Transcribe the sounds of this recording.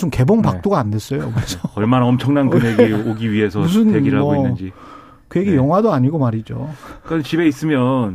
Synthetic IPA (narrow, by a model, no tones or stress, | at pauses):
sʰɯmke̞boŋpak̚t͈oɡaande̞s͈ʌjoked͡ʑʌʌɭɭmanaʌmt͡ɕʰʌŋnankɯneɡioɡiɥiɦe̞sʰʌmus̬ʰɯneɡiɾɯɭhaʌoinːɯnd͡ʑi | kɯje̞ɡejʌŋɦwadoaɲiɡomaɾid͡ʑo̰nt͡ɕibe̞is͈ɯmjʌn